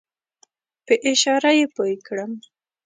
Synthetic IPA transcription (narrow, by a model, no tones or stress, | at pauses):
pəʔɪʃɑɾajepojkɽəm